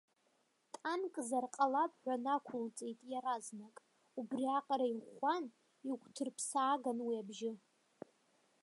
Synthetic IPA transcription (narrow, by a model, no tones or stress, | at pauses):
tʼankʼzarqʼalapʼħʷᶣanakʷʰʊlt͡sʼejtʼjaɾaznakʼ | ubriaqʼɾaiʁʷan | iɡʷtʰɨrpʰsaːɡanwiabʒɪ